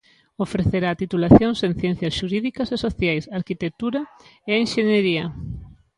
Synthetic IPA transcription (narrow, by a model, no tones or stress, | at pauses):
ofɾeθeɾaːt̪it̪ulaθjoŋsen̟θjɛn̟θjɐsʃuɾiðikɐsesoθjajsaɾkit̪ek̚t̪uɾɐeenʃeɲeɾiɐ